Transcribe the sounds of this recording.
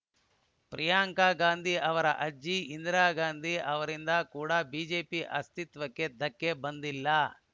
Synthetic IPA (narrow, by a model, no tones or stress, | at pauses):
pɾijaːŋkaːɡaːnd̪ʱiʔɐʋɐɾɐ̰ʔɐd͡ʒːiind̪ɾaːɡaːnd̪ʱiʔɐʋɐɾind̪ɐkuːɽɐbiːd͡ʒeːpiʔɐ̰st̪it̪ʋɐkːe̞d̪ɐkːebɐnd̪ilːɐ